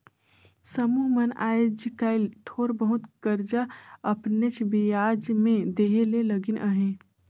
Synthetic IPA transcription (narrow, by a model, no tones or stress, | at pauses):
səmuːɦmɐna̰ːd͡ʒkaːɪlt̪ʰoːɾbəɦʊt̪kəɾd͡ʒaɐpnet͡ʃʰbijaːd͡ʒmẽd̪eːɦeleləɡɪnʔəɦẽː